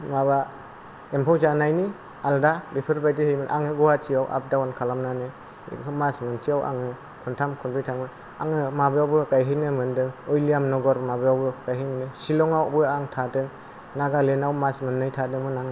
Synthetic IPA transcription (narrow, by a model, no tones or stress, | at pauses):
maβa | empʰawzanajni | aldabipʰɯɾbajdɯhejmɯnʔaŋɯɡɔwatʰijawʔa̰p̚dawankʰalamnanɯ | masmɯnsʰiawa̰ŋɯ | kʰuntʰamkʰɔnbʰijtʰamɯn | a̰ŋɯmabɯjawbɯkajɦɯnɯmɯndɯŋɔjlijamnɔɡɔɾmabɯjawbɯkajɦijnɯnɯsilɔŋawbɯjaŋtʰadɯŋ | naɡalenawmasmɯnːɯjtʰadɯŋmɯnaŋ